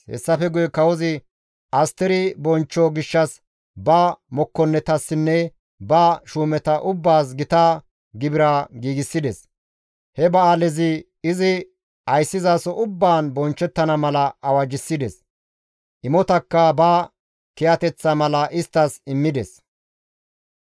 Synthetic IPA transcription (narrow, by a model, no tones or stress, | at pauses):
hɛ̰sːɐfɛɡʊjɛkɐwɔzɪ | ɐst̪ɛɾɪbɔnt͡ʃːɔɡɪʃːɐs | bɐmɔkːɔnːɛt̪ɐsːɪnːɛ | bɐʃuːmɛt̪ɐʔʊbːaːs̬ɡɪt̪aː | ɡɪbɪɾaːɡiːɡɪsːɪd̪ɛs | hɛbɐaːlɛzɪ | ɪzɪ | ɐjsːɪzaːsɔʔʊbːaːnbɔnt͡ʃːɛt̪ːɐnɐmɐlɐɐwɐd͡ʒɪsːɪd̪ɛs | ʔɪmɔt̪ɐkːɐbɐː | kɛjɐt̪ɛt͡sːɐmɐlɐʔɪst̪ːɐsɪmːɪd̪ɛs